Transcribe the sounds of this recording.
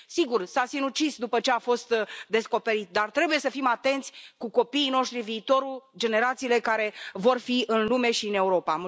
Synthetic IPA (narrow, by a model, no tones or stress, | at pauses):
siɡursasinut͡ʃisd̪upət͡ʃe̞afo̞st̪d̪e̞sko̞pe̞ɾit̪d̪art̪ɾe̞buje̞səfimat̪e̞nt̪sʲkuko̞piːno̞ʃt̪ɾiviːt̪o̞ɾuld͡ʒe̞ne̞ɾat̪siːle̞kaɾe̞vo̞rfiɨnlume̞ʃiɨne̞uɾo̞pa